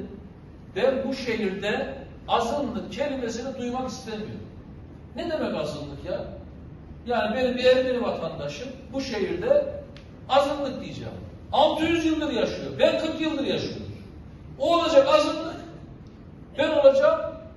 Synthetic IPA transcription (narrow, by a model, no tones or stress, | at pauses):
bænbuʃe̞ɦiɾd̪ɛ | azɯnlˠɯkcʰe̞lime̞sinɛd̪ujmakist̪ʰemijo̞̰ɾm | nɛd̪e̞mɛcazɯnlːˠɯkja | jaːnibe̞nimbiɛvɟeɾivat̪ʰand̪aʃɯmbuʃe̞ɦiɾd̪ɛ | azɯnlˠɯk̚d̪ijed͡ʒa̰ːm | amt̪ejyzjɯlˠːɯɾjaʃɯjo̞ɾbænkʰɯɾkjɯlˠːɯɾjaʃɯjo̰oɾ | oːlˠad͡ʒakazɯnlˠɯk | bæno̞lˠad͡ʒam